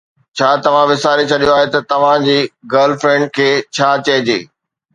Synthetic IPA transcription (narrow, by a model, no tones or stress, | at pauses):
t͡ɕʰaːt̪ɐʋ̤ãʋɪsaːɾit͡ɕʰɐɗijoaːɦet̪ɐt̪ɐʋ̤ãd͡ʑiːɡəːlfɾɛ̃ːɳɖ̚kʰeːt͡ɕʰaːt͡ɕɐɦɪd͡ʑeː